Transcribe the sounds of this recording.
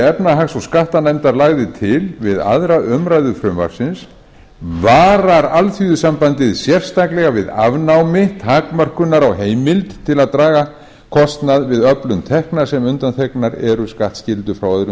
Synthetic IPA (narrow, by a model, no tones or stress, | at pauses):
ɛpnaɦaxsɔɣskaht̪anajmt̪aɾlaɣðɪt̪ʰɪlvɪða̰ðɾaʔʏmɾajðʏfɾʏmva̰ɾ̥sɪns | vaːɾaɾalθyðʏsampant̪ɪðsjɛr̥st̪aklɛɣavɪðavnawmɪt̪ʰaːkmœr̥kʏnaɾawɦeːjmɪlt̪t̪ʰːɪlaðt̪ɾaːɣa | kʰɔst̪naðvɪðœplʏmt̪ʰɛhknaɾ̥sɛmʏnt̪anθʰɛknaɾɛɾʏskaht̪scɪlt̪ʏfɾawaðɾʏ